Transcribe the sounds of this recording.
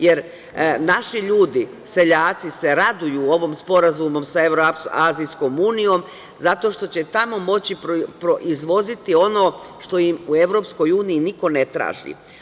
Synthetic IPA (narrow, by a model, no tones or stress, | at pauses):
je̞ɾ | naʃiʎuːd̪i | se̞ʎaːt̪sise̞ɾad̪ujuːo̞ʋomspo̞ɾazumo̞msaeʋɾoaːzisko̞muːnijo̞m | zat̪o̞ʃt̪o̞t͡ɕe̞t̪amo̞mo̞t͡ɕipɾpɾoʔizʋo̞zit̪io̞noːʃt̪o̞jimue̞ʋɾo̞ːpsko̞juːniːniko̞net̪ɾa̰ːʒḭ